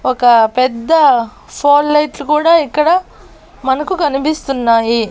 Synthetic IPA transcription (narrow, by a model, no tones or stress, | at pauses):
ɔkɐpɛd̪ːɐ | pʰoːlːɐjʈlukuːɽaːikːɐɽɐ | mɐnɐkukɐnipist̪unːaːji